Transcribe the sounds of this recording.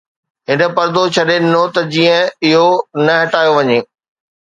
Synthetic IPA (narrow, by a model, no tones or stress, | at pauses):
ɦɪnə̆pɐɾd̪ot͡ɕʰɐɗeɗɪn̤ot̪ɐd͡ʑiːə̃ɪɦonɐɦɐʈaːjoʋɐɲeː